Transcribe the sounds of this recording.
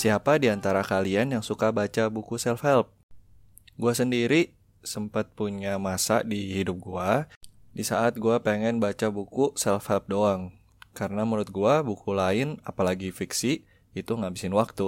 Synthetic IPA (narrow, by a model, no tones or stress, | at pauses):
siapadiant̪aɾakalianjaŋsukabat͡ʃabukusɛlfɛlp̚ | ɡuasəndiɾi | səmpət̪̚puɲamasa̰dihidʊp̚ɡua | disaʔat̪̚ɡuapeŋɛnbat͡ʃabukusɛlfhɛlp̚doaŋ | kaɾənaməɾʊt̪̚ɡuabukulaɪna̰palaɡifiksi | it̪uŋabisɪnwak̚t̪u